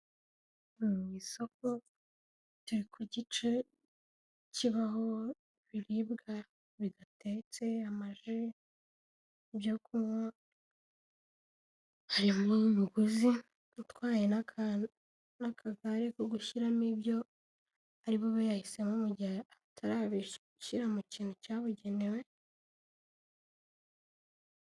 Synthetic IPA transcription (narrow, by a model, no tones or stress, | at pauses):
wiso̞k̚o | tuɾikʰuɟit͡ʃe | ciβaɦo̞ | βiɾibɡa | βiɡate̞t͡se̞amaʒi | ibjokʰumwa | haɾimumuɡuzi | tkwaːje̞na | nakʰaɡaɾekoɡuʃiɾamibjo̞ | aɾiβoβojahise̞mumuɟaatʰaɾaβi | ʃiɾamuciːnhucaːβuɟe̞newe̞